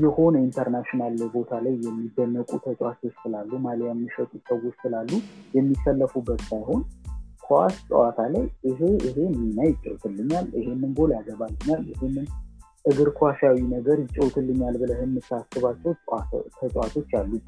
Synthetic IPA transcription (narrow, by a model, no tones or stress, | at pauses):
jɛho̞nəint̪ʰəɾnaʃinalːbo̞t̪ʰalajːɛmːid̪ːənːəkʼut̪ʰət̪ʼat̪ʰot͡ʃːsɨlalːumaljamːɨʃət̪ʼusəwːot͡ʃːsɨlalːujɛmːisəlːəfubːət̪sajho̞nkʰoa̰st̪ʼə̰wat̪ʰalajʔɨɦe̞ɨɦe̞nɨmɨnajɪt͡ʃʼːə̰wt̪ʰɨlːɨɲːalɨɦe̞nːɨnɡo̞ljaɡəβalːɨɲːalɨhenːɨn | ʔɨɡɨɾkʰaʃawinəɡəɾjɪt͡ʃʼːəwt̪ʰɨlːɨɲːalbɨləhɨnːɨt̪ʰːasɨβat͡ʃːɛwt̪ʰət̪ʼwat̪ʰo̞t͡ʃːalːu